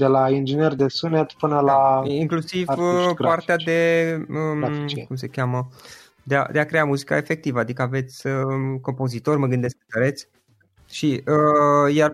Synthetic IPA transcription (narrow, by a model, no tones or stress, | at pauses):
d̪elaind͡ʒinerd̪esunet̪pɨnəlaiŋklusivəpart̪ead̪e̞əkums̬ekʲjamə | d̪ea̰d̪e̞akɾe̞amuzika̰efe̞k̚t̪ivəad̪ikəave̞t̪sʲəko̞mpo̞zit̪o̞rʲməɡɨnd̪e̞sk̚ət̪əɾe̞t̪sʲ | ʃiəjar